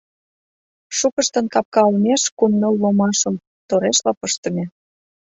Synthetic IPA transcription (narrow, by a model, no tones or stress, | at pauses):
ʃukəʃt̪ə̆nkɑp̚kɑulmeʃkumnəlːomɑʃə̆m | t̪oɾeʃlɑpəʃt̪ə̆mʲe